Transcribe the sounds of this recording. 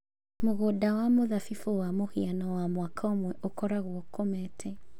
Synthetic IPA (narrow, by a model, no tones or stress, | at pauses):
moɣodawamoðafifuwamohianɔwamwakʰɔmwɛʔokɔɾaɣwɔkʰɔmɛtʰɛ